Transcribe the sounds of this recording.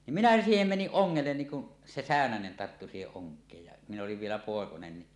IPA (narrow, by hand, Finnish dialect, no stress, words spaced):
nim minæ siːhem meniʔ ʔoŋːelːen niːn kun se sæˑønænen tɑrtːu siːheʔ ʔoŋkˑeːj jɑ min oliʋ ʋielæ poˑekonen ni